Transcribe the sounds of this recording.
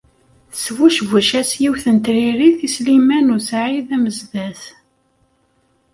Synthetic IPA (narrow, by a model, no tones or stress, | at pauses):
svuʃvæʃæsjiwθənt̪ɾiɾiθislimænusʕiðæməzðæθ